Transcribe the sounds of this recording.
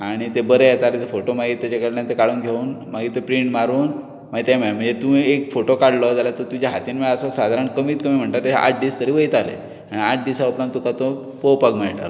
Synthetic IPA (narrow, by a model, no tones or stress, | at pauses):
aɽ̃it̪ebəɾejet̪alet̪efoʈomaɡiːt̪ːat͡ɕakəɽljant̪ekaɽuːnɡʱeuːnmaɡiːt̪epɾiɳʈmaɾuːn | maɡt̪jam̤m̤əɳd͡zet̪ũekfoʈokaɽlɔd͡zalat̪ot̪ud͡ʑaɦat̪iːnmeɭəsəsad̪ʱaɾəɳkəmiːt̪kəmiːm̤əɳt̪aɾt̪ḛʔa̰ʈ̚ɖiːst̪əɾiːʋəit̪alḛ | aɽ̃iaʈ̚ɖisaupɾãnt̪ːukat̪o | powpakmaɭʈa̰ɾ